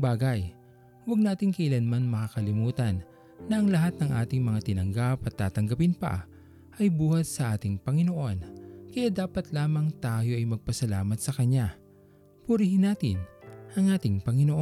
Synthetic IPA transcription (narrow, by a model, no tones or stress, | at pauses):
baːɡɐj | wɐɡ̚naːt̪ɪŋkɐʔɪlɐnmanmɐkaːkɐlɪmuːt̪ɐnː | ɐʔɐŋlɐɦat̪̚nɐŋʔa̰ːt̪ɪŋmɐŋat̪ɪnɐŋɡapɐt̪ːaːt̪ɐŋɡɐpɪnpɐ̰ | ʔɐjbuːhɐt̪̚sɐʔaːt̪ɪŋpɐŋɪno̞ʔo̞nkɐjaːd̪aːpɐt̪laːmɐŋt̪aːjo̞ʔɐjmɐɡ̚pɐsɐlaːmɐt̪sɐkɐɲːa | pʊɾihɪnaːt̪ɪ̰nʔɐŋʔaːt̪ɪŋpɐŋɪnoʔo